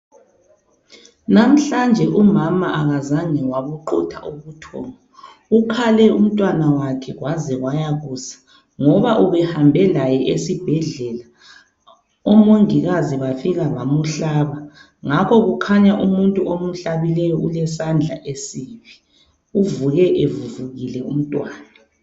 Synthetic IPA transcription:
nam̩ɬand͡ʒʱɛʔumamaʔaɣazaŋɛwaβuǃɔ̰tʰa̰ʔuɣutʰɔ̰ːŋɔ | ukʰalɛum̩tʼwanawakʰɛɣwazɛɣwajaɣuːsḁ | ŋɔβaʔuβɛhambʱɛlajɛʔesib̥ʱɛɮɛla | ɔmoŋiɣaziβafiɣaβamuɬaːβa | ŋakʰɔɣukʰaɲaʔumuntʼuomuɬaβilɛjɔʔulɛsand͡ɮʱa̰ʔesiːβi | uvuɣɛʔevuvuɣilɛṵm̩tʼwaːna

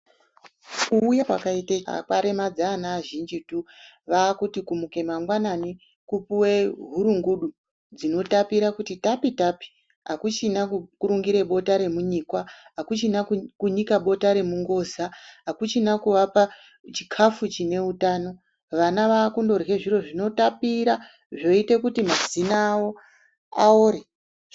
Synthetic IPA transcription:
kuːjakwakaitḛkaɾe̞mad͡zaːnaːʒind͡ʒitu | ʋaːkutikumuke̞maŋɡwanani | kupuweɦuɾuŋɡuɗu | d͡zino̞tapiɾakutitapitapi̥ | ɦakut͡ʃinakuɾuŋɡiɾe̞ɓo̞taɾe̞muɲiːkwaɦakut͡ʃinakuɲikaɓo̞taɾe̞muŋɡo̞ːzaɦakut͡ʃinakuʋapa | t͡ʃikʰafut͡ʃine̞utaːno̞ | ʋanaʋakundo̞rɣeʐiro̞ʐino̞tapiɾa | ʐo̞ite̞kutimazinaːwo̞ | aoɾe

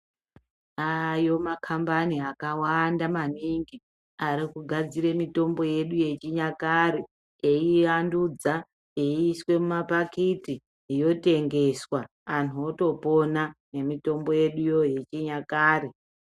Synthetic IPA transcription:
ajo̞makʰambaniakawandamaniŋɡi | aɾikuɡʱad͡ziɾe̞mito̞mbo̞je̞ɗuje̞t͡ʃiɲakaɾe | eiʋandud͡za | eiswe̞mumapakiti | jo̞te̞ŋɡe̞swaː | nuoto̞po̞nane̞mito̞mbo̞je̞ɗujo̞je̞t͡ʃiɲakaːɾe

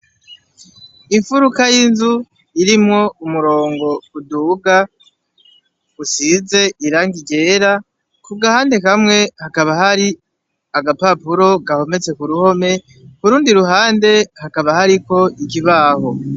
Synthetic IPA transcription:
iɱfuɾukajinzu | iɾimŋo̞umuɾo̞ːŋɡo̞uduɡa | usize̞ʔiɾaːŋɡiɡe̞ɾa | kuɡahaːnde̞kamŋe̞hakaβahaɾi | aɡapapuɾo̞ɡaho̞me̞t͡sekuɾuho̞me̞ | kuɾuːndiɾuɦaːnde̞hakaβahaɾiko̞ikiβaːho̞

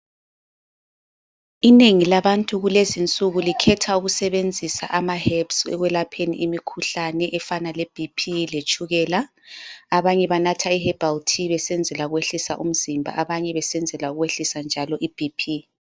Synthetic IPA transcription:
ineŋilaβantʼuɣulezint͡sʼuɣulikʰɛtʰauɣusɛβend͡zʱisa̰ʔamahɛpsɛ̰ɣwɛlapʰenḭʔimikʰuɬanɛʔɛfanaleb̥ʱipʰilet͡ʃʼuɣɛːlaː | βaɲɛβanatʰaihɛb̥ʱaltʰiβɛsɛnd͡zʱɛlauɣweɬisaʔum̩zimbʱa̰ʔaβaɲɛβɛsɛnd͡zʱɛlauɣweɬisand͡ʒʱalɔʔib̥ʱipʰi

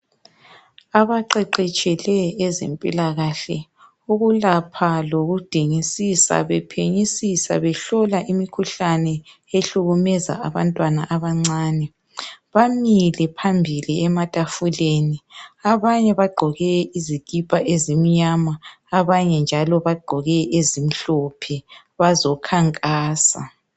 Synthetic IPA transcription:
aβaǃɛǃɛt͡ʃʼɛlɛːzḛmpʼḭlaɣaɬɛ | uɣulapʰaloɣud̥ʱiŋisisa̰βɛpʰeɲisisa̰βɛɬɔlaʔimikʰuɬanɛ | eɬuɣumɛza̰aβantʼwana̰ʔaβaŋ͡ǀaːnɛ | βamilɛpʰambʱiliɛmatʼafuleːniaβaɲɛβaɡ͡ǃʱɔɣɛizikʼipʼaʔezim̩ɲamaː | βaɲɛnd͡ʒʱalɔβaɡ͡ǃʱɔɣɛʔezim̩ɬɔpʰɛ | βazɔkʰaŋkʼaːsa̰

